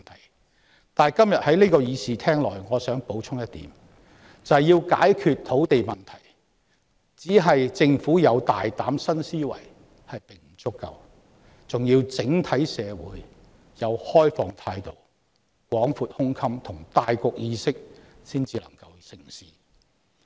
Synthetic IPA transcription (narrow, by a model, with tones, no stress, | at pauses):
t̪ʰɐ˨˩j | t̪aː˨˩kɐ˥mjɐ˨t̚hɐ˨˥jliː˥kɔː˧jiː˨˧siː˨t̪ʰɛː˥ŋlɔː˨˩jŋɔː˨˧sœː˨˥ŋpo˨˥wt͡sʰʊ˥ŋjɐ˥t̪ːiː˨˥m | t͡sɐ˨jjiː˧wka̰ː˨˥jkʰyː˨t̚t̪ʰo˨˥wt̪e˨jmɐ˨˩nt̪ʰɐ˨˩j | t͡siː˨˥ɦɐ˨jt͡sɪ˧ŋfuː˨˥jɐ˨˧wt̪aː˨jt̪aː˨˥msɐ˥nsiː˥wɐ̰˨˩j | hɐ˨jpɪ˨˩ŋm̩˨˩t͡sʊ˥kːɐ̰˨w | t͡sʊ˨ŋjiː˧wt͡sɪ˨˥ŋt̪ʰɐ˨˥jsɛː˨˧wṵː˨˥j | jɐ˨˧whɔː˥jfɔː˨˩ŋt̪ʰaː˧jt̪o˨w | kwɔː˨˥ŋfuː˨t̚hʊ˥ŋkʰɐ˥mt̪ʰʊ˨˩ŋt̪aː˨jkʊ˨˧k̚jiː˧sɪ˥k̚siː˥nt͡siː˨˧lɐ̰˨˩ŋkɐ˧wsɪ˨˩ŋsiː˨